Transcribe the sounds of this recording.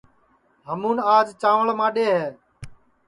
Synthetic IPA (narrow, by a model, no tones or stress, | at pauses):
ɦəmũːnaːd͡ʒt͡ʃãːʋəɭmãːɗeːɦeː